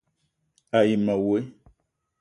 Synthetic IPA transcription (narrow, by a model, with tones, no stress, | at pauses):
a˨ji˨ma˨we˨˦